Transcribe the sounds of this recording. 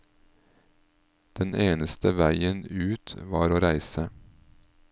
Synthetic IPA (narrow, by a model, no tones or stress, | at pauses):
d̪̥ɛnʔeːnəst̪əʋæɪənʉːt̪ʋɑːɾoːɾæɪsə